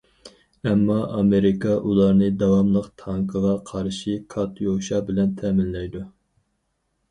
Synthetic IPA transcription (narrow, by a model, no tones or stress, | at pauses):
ɛmːɑʔɑmeɾɪkɑʔulˠɑɾnɨd̪ɑwɑmlˠəqt̪ʰɑŋkʰəʁɑqʰɑɾʃikʰɑt̪ʰjoʃɑbɪlɛnt̪ʰɛmɪnlɛjd̪u